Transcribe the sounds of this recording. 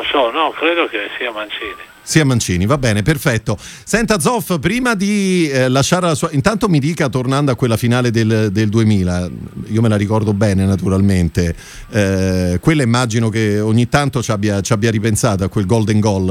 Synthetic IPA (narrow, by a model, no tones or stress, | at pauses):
osɔnɔkɾeːd̪okesiːamant͡ʃiːni | siːamant͡ʃiːnivabːɛːneperfɛt̪ːo | sɛnt̪ad̪zɔfpɾiːmad̪ilaʃːaːɾelasuːaint̪ant̪omid̪iːkat̪ornand̪oakːwelːafinaːled̪eld̪eld̪uemiːlaiːomelaɾikɔrd̪obɛːnenat̪uɾalment̪e | kwelːaimːad͡ʒinokeoɲːit̪ːant̪ot͡ʃabːjat͡ʃabjaɾipensaːt̪oakːwelɡɔld̪eŋɡɔl